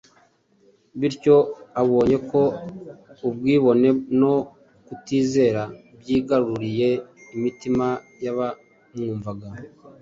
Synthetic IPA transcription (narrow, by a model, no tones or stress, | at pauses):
βiɾco̞aβo̞ːɲe̞ko̞ | ubɡwiːβo̞ne̞no̞ | kutiːze̞ːɾa | bjiːɡaɾuuɾije̞imitima | jaβa | mŋuːɱvaɡa